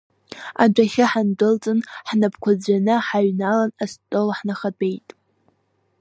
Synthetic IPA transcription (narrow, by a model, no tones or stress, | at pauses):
a̰d͡ʒʷaχʲɪħandɨlt͡sʼɨnħnapʰkʷʰad͡zʷanɨħaɥnalanastʼolħnaχade̞jtʼ